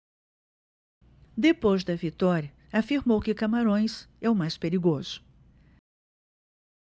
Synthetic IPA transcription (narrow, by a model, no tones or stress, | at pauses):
d̪epojzd̪ɐvit̪ɔɾjɐ | afiɾmowkɪkamaɾõj̃sɛʊmajspeɾiɡoz̥ʊ̥